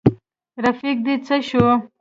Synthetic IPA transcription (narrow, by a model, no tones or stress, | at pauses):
ɾafik̚d̪it͡səʃu